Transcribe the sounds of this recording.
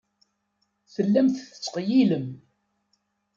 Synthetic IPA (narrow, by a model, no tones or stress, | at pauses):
θəlːæmθθə̥t͡sːqjiləm